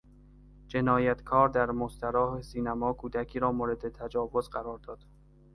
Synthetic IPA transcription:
d͡ʒe̞nɒːjæt̪kʰɒːɾd̪æɾmost̪æɾɒːhesiːnæmɒːkʰuːd̪ækʰiːɾɒːmoːɾe̞d̪et̪ʰæd͡ʒɒːvozɢæɾɒːɾd̪ɒːd̪̥

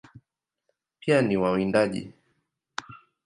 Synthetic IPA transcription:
pianiwawindaʄḭ

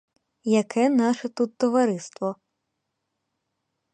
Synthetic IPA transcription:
jɐkʰɛnɑʃɛt̪ut̪ːɔʋɐɾɪst̪ʋɔ

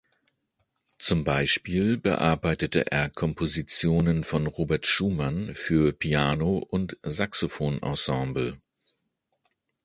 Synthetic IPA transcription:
t͡sʊmbaɪʃpiːlbə̰ʔa̰ɐbaɪtətə̰ʔḛːɐkʰɔmpʰozit͡sjoːnənfɔnʁoːbɛɐtʃuːmanfyːɐpʰiaːnoʔʊntzaksofoːnʔɔ̰sɑ̃ːmbl̩

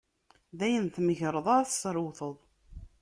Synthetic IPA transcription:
ðæjənθməʝɾˤəðˤaɾθsɾwθəðˤ

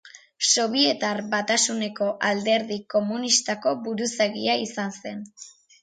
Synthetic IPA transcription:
so̞β̞ie̞t̪aɾbat̪asune̞ko̞ʔald̪e̞ɾðiko̞munist̪ako̞βuɾusaɣiaisanse̞n

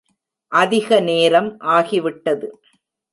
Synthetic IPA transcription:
ʔɐðɪɣɐneːɾɐmʔaːɣiʋɪʈːɐðɯ

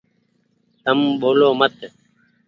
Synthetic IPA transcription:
t̪əmɓoːloːmət̪

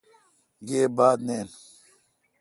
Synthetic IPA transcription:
ɡeːbaːd̪neːn

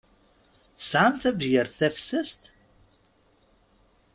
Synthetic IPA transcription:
sʕamt̪æbjəɾθæfsəst̪

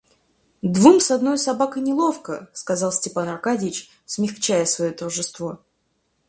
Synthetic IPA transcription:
d̪vumsɐd̪no̞jsɐbakəjnʲɪlˠo̞fkəskɐzɑlˠsʲtʲɪpanɐrkadʲɪɪt͡ɕ | smʲɪxt͡ɕæjəsvɐjot̪ərʐɨst̪vo̞

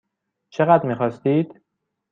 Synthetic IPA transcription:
t͡ʃʰeɣæd̪ɾmiːxɒːst̪iːd̪̥

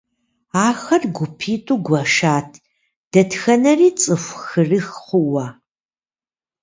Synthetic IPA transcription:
aːxɐrɡʷʊpʰiːtʼuːɡʷɐʂaːtʰ | d̥ɐtxɐnɐriːt͡sʼɨfʷxɨrɨxχʷʊwɐː

